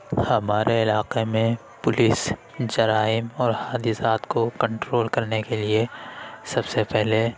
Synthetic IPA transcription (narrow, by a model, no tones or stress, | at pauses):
hɐmaːɾeɪlaːqemẽ | pʊlɪs | d͡ʒɐɾaːɪmɔːɾhaːd̪isaːt̪kokɐ̃ɳʈɾoːlkɐɾnekeliesɐbsepɛɦle